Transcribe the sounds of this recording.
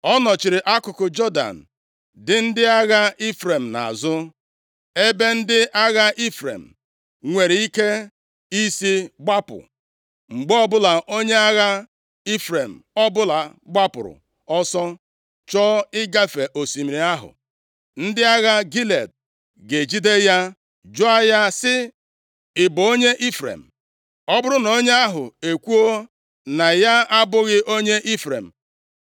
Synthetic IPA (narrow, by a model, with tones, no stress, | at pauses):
ɔ˦nɔ˨t͡ʃɪ˨ɾɪ˨ʔa˦kʊ˨kʊ˨d͡ʒɔ˦da̰˨n̩˨ | dɪ˨n̩˦dɪ˦a˦ɣa˦i˦fɾe˨m̩˨na̰˨zʊ˦ | e˦be˦n̩˦dɪ˦ʔa˦ɣa˦ʔi˦fɾḛ˨m̩˨ | ŋʷe˨ɾi˦ke˦ | i˦si˦ɡ͡ba˦pʊ̰˨ | ŋ͡m̩˨ɡ͡bɔ˦bʊ˦la˨ʔo˦ɲe˦a˦ɣa˦ | i˦fɾe˨m̩˨ɔ˦bʊ˦la˨ɡ͡ba˦pʊ̰˨ɾʊ̰˨ | ɔ˦sɔ˦ | t͡ʃɔ˦ɪ˦ɡa˦fe˨ʔo˨si˨mi˨ɾi˨a˦ɦʊ̰˨ | n̩˦dɪ˦a˦ɣa˦ɡi˦le˨d̚ | ɡe˨d͡ʒi˦de˦ja˦ | d͡ʒʊ˦a˦ja˦sɪ˦ | ɪ˨bo˦ɲe˦ʔi˦fɾḛ˨m̩˨ | ɔ˦bʊ˦ɾʊ˦no˦ɲe˦a˦ɦʊ˨e˨kʷu˦o˦ | na˨ja˦a˦bʊ˦ɣɪ˦ʔo˦ɲe˦ʔi˦fɾḛ˨m̩˨